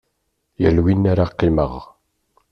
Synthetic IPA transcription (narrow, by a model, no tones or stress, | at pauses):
jəlwinːaɾaqːɪməʁ